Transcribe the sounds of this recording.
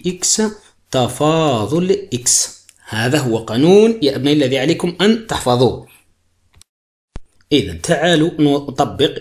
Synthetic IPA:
ʔɪksa | t̪ɑfɑːðˤʊlʔɪks | haːðaɦʊwːaqɑnuːnjaʔabnaʔalːaðiʕaleːkʊmʔænt̪aħfɑðˤuː | ʔɪða̰nt̪ʰaʕaːlunt̪ˤɑbːəq

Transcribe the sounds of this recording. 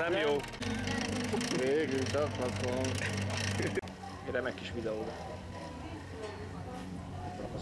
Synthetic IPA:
ɛmjoː | veːɡylt̪ɒklɒt̪on | ɾɛmɛkːiʃʋid̪ɛoːdɑ | kːɾ

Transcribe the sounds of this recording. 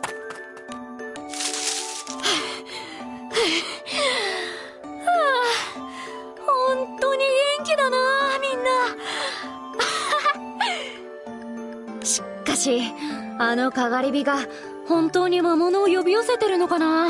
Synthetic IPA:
a | hõ̞nt̪o̞ːɲ̟iɡẽ̞ŋkʲid̪anamʲĩnːa | ɕi̥kːaɕi | ano̞kaɡaɾʲibʲiɡa | hõ̞nt̪o̞ːɲ̟imamo̞no̞ːjo̞bʲijose̞t̪e̞ɾɯ̟no̞kana

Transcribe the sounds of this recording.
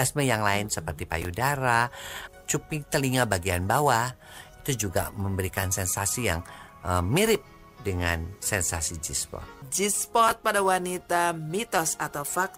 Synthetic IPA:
asməjaŋlaɪnsəpərt̪ipa̰judaɾa | t͡ʃupit̪əliŋabaɡianbawa | it̪ud͡ʒuɡa̰məmbəɾikansɛnsasijaŋ | əmiɾɪp̚ | dəŋansɛnsasid͡ʒispɔ̰t̪̚d͡ʒispɔt̪̚padawanit̪amit̪ɔsat̪awfak̚

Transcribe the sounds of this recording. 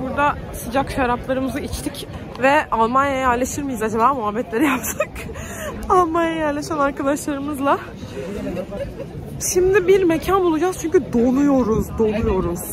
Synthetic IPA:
buɾd̪asɯd͡ʒakʃaɾaplˠaɾɯmɯzɯit͡ʃt̪ʰic | vɛalˠmanjajjaɾlʲeʃiɾmijizad͡ʒabaːmuɦabːɛt̪lʲe̞ɾijapt̪ʰak | alˠmanjajaɾlʲeʃænaɾkad̪aʃlˠaɾɯmɯzlˠa | ʃimd̪ɪbiɾmecʰanbulˠud͡ʒaz̥t͡ʃʰyɲcyd̪o̞nujo̞ɾuzd̪o̞nujo̞ɾuz̥

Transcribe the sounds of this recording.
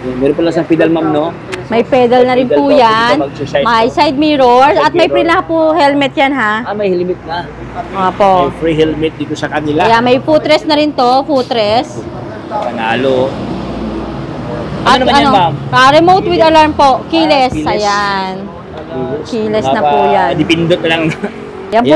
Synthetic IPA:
mɛːɾonpɐlɐsɐŋfid̪ɐlmamno | mɐjpɛːd̪ɐlnɐɾɪnpuːjanɐɡsamɐjsajd̪̚miːɾoɹsʔɐt̪̚mɐjpɾilɐhapʊhɛlmɛt̪̚janɦamɐjhɛlmɪt̪̚nɐ | ʔoːpoʔfɾiɦɛlmɛt̪̚d̪iːt̪osɐkɐnɪlajamɐjfut̪ɾɛsnɐɾɪnt̪o̞fut̪ɾɛs | kɐnaːlo | ʔɐt̪ɐnokɐɾɛmowt̪wɪd̪ɐlaɹmpo̞ʔkiːlɛsɐjan | kiːlɛsnɐpuːjannɪpɪnd̪ot̪̚lɐŋ | jɐnpʊ

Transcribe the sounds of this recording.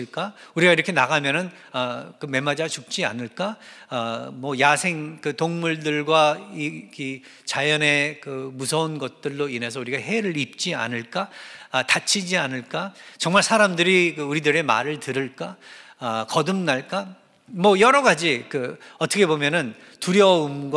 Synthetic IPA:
iɭk͈auɾiɡaiɾʌkʰe̞naɡamjʌnɯn | ʌkɯme̞mad͡ʑat͡ɕup̚t͡ɕ͈ia̰nɯɭk͈aː | mwʌjasʰe̞ŋkɯtoŋmuɭdɯɭɡwaiki | t͡ɕajʌne̞kɯmusʰʌunɡʌt̚t͈ɯɭːoine̞sʰʌuɾiɡaɦe̞ɾɯɭip̚t͡ɕ͈ia̰nɯɭk͈atat͡ɕʰid͡ʑianɯɭk͈at͡ɕʌŋmaɭsʰaɾamdɯɾikɯuɾidɯɾe̞ma̰ɾɯɭtɯɾɯɭk͈a | ʌkʌdɯmnaɭk͈a | mwʌjʌɾʌɡad͡ʑikɯʌtʰʌkʰe̞bomjʌnɯn | tuɾjʌumɡ

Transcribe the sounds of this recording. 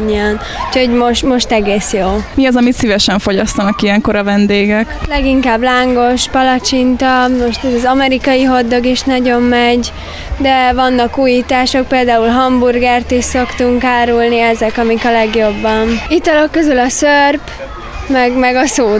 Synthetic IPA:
ɲːɛn | ucho̞ɟmo̞ʃt̪mo̞ʃt̪ɛɡeːsjoːmiɒzɒmit̪sivɛʃɛɱfo̞ɟɒst̪ɒnɒkiɛŋko̞ɾɒvɛnd̪eːɡɛklɛɡiŋkaːblaːŋɡo̞ʃpɒlɒt͡ʃint̪ɒmo̞ʃt̪ɛzɒzɒmɛɾikɒjiɦo̞d̪ːo̞ɡiʃnɒɟo̞mːɛɟ | d̪ɛvɒnːɒkuːjiːt̪aːʃo̞k̚peːld̪aːulɦɒmburɡɛrt̪iʃso̞kt̪uŋkaːɾulniɛzɛkɒmikɒlɛɡjo̞bːɒnit̪ɒlo̞kːøzylɒsørp | mɛɡmɛɡɒsoː

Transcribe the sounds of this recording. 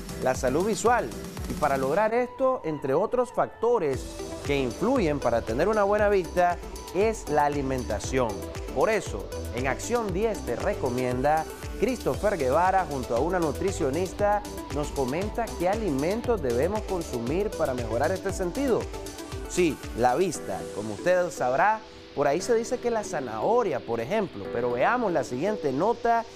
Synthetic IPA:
lasaluðβiswalipaɾalo̞ɣ̞ɾaɾe̞st̪oʔe̞nt̪ɾe̞o̞t̪ɾo̞sfak̚t̪o̞ɾe̞s | ke̞iɱfluʝe̞mpaɾat̪ene̞ɾunaβwe̞naβ̞ist̪a | e̞slaːlimẽ̞nt̪asjo̞ŋ | po̞ɾe̞so̞̰ | e̞ŋaksjo̞nd̪je̞st̪e̞re̞ko̞mjẽ̞nd̪a | kɾist̪o̞fe̞ɾɣe̞β̞aɾaxunt̪oaunanut̪ɾisjo̞nist̪a | no̞sko̞mẽ̞nt̪ake̞alimẽ̞nt̪o̞zd̪e̞βe̞mo̞sko̞nsumiɾpaɾame̞xo̞ɾaɾe̞st̪e̞sent̪ið̞o | silaβ̞ist̪a̰ko̞moust̪e̞ðsaβɾa | po̞ɾaise̞ðise̞ke̞lasana̰oɾjapo̞ɾe̞xe̞mplo̞pe̞ɾo̞βe̞amo̞slasiɣje̞nt̪e̞no̞t̪a

